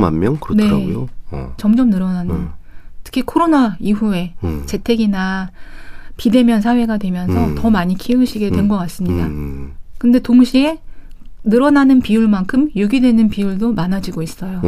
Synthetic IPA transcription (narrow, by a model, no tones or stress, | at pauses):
ma̰nmjʌnkɯne̞ot͡ɕʌmd͡ʑʌmnɯɾʌnantʰɯ̥kʰikʰoɾonaiɸue̞t͡ɕe̞tʰe̞ɡina | pide̞mjʌnsʰaɦwe̞ɡadwe̞mjʌnsʰʌtʌmaɲikʰiɯŋɕʰiɡe̞dwe̞nɡʌk͈as͈ɯmɲidakɯnde̞toŋɕʰie̞ | nɯɾʌnanɯnpiuɭmankʰɯmjuɡidwe̞nɯnpiuɭdomanad͡ʑiɡois͈ʌjo